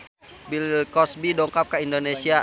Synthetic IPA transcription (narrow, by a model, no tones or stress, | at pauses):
bilkɔsbidɔŋkap̚kaindonesia